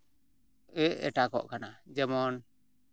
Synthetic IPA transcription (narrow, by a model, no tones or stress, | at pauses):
ɛʔɛ̰ʈakɔ̰ʔkanad͡ʒɛmɔn